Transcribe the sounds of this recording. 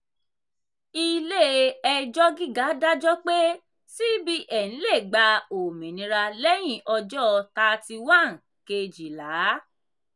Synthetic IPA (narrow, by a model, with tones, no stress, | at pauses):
i˦le˦˨ɛ˧d͡ʒɔ˦ɡi˦ɡa˨˦da˦d͡ʒɔ˦k͡pe˦ | si˦bi˦ʔɛ˦˨ñ̩˨˦le˦˨ɡ͡ba˧o˨mĩ˨nĩ˨˧ɾa˧lɛ˦j̃ĩ˦˨ʔɔ˧d͡ʒɔ˦˧ta˧ti˧wã˦˨n̩˨ | ke˧d͡ʒi˨la˨˦